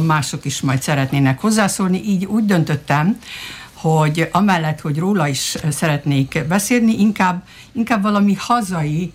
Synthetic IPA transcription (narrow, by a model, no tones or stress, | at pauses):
maːʃo̞kiʃmɒjt̪sɛɾɛt̪neːnɛkho̞zːaːsoːlniʔiːɟuːɟd̪ø̞nt̪ø̞t̪ːɛm | ho̞ɟɒmɛlːɛt̪ho̞ɟroːlɒiʃsɛɾɛt̪neːkbɛseːlniʔiŋkaːbː | iŋkaːbʋɒlɒmihɒzɒji